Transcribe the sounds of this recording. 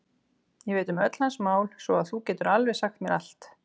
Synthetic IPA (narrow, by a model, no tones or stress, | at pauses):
jɛvɪːt̪ʏmœt̪l̥ansmaːwlsvɔaðθucɛːt̪ʏɾalvɛsaxt̪mjɛɾa̰l̥t̪